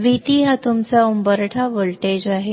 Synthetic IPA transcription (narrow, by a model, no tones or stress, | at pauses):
ʋit̪iːɦat̪umt͡saumbəɾʈʰaʋəɭʈed͡ʑaɦe